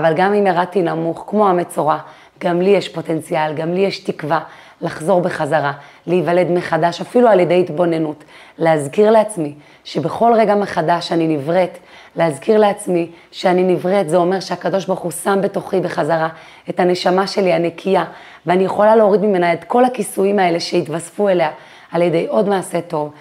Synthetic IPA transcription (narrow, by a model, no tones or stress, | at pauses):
avalɡamimeʁatinamuχkmo̞amet͡so̞ʁa | ɡ̥amlijeʃpo̞te̞nt͡sialɡamlijeʃtikva | laχzo̞ʁbe̞χazaʁa | liivale̞d̪meχadaʃafilualjede̞jitbo̞ne̞nut | leazkiʁleat͡smi | ʃe̞beχo̞lʁe̞ɡame̞χadaʃaninivʁet | leazkiʁle̞at͡smi | ʃeaninivʁet̪zeo̞me̞ʁʃeakado̞ʃ̬baʁχusambe̞to̞χibeχazaʁa | e̞thane̞ʃamaʃe̞lianekʰija | veanijeχo̞laleo̞ʁidmime̞naed̪ko̞lakisuimae̞le̞ʃe̞it̪vasfue̞le̞a | alje̞d̪e̞jʔo̞dmaːse̞to̞v